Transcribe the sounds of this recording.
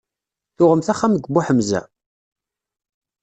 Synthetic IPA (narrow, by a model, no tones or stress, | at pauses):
θʊʁəmθæχːamɡʷbʊħəmzæ̰